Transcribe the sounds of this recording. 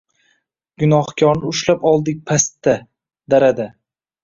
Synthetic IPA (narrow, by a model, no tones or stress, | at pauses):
ɡʊnɒhkʲʰɒɾnɪʊʃlapɒlˠd̪ɪk̚ʲpʰast̪ːa | d̪aɾad̪a